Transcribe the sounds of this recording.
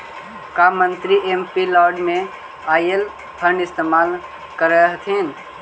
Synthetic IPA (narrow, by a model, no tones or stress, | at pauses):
kaːmə̃nt̪ɾiʔempilɔːɾɖmẽ | aːiel | p̪ʰəɾnɪst̪eːmaːl | kəɾeɦt̪ʰeːn